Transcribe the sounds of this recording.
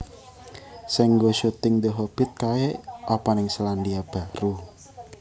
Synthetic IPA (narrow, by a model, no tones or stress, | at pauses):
sɛŋɡoʃut̪ɪŋd̪əɦob̥ɪ̤t̪̚kaeʔapanɪŋsəlandiab̥a̤ɾu